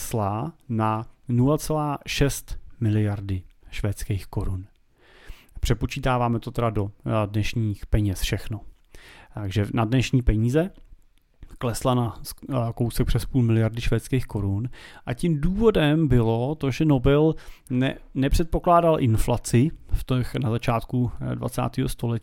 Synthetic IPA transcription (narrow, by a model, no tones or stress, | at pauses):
slananulat͡sɛlaːʃɛst̪mɪlɪjaɾdɪʃvɛːt͡skeːxko̞ɾun | pr̝̥ɛpot͡ʃiːt̪aːvaːmɛt̪ot̪ɛdado̞dnɛʃɲiːxpɛɲɛsfʃɛxno | t̪aɡʒɛnadnɛʃɲiːpɛɲiːzɛ | klɛslanakowsɛk̚pr̥ɛspuːlmɪlɪjaɾdɪʃvɛːt͡skeːxko̞ɾunʔacɪmduːvo̞dɛmbɪlo̞t̪o̞ʒɛno̞bɛlnɛnɛpr̥ɛt̪̚po̞klaːdalʔɪnflat͡sɪft̪ɛxnazat͡ʃaːt̪kudva̰t͡sa̰ːt̪iːɦost̪o̞lɛcː